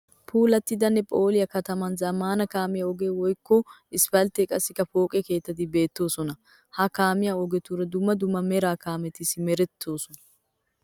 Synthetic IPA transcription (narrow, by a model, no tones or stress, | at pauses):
pʰuːlɐt̪ːɪd̪ɐnːɛpʼo̞ːlɪjɐkɐt̪ɐmɐnzɐmaːnɐkaːmɪjɐɔɡeːwɔjkːɔɪspɐlt̪ekʼɐsːɪkːɐfo̞ːkʼɛke̞ːt̪ːɐd̪ɪbe̞ːt̪ːo̞ːsɔnɐ | hɐkaːmɪjaɔɡɛt̪uɾɐd̪ʊmːɐd̪ʊmːɐmɛɾaːkaːmɛt̪ɪsɪmɛɾɛt̪ʰːo̞ːsɔnɐ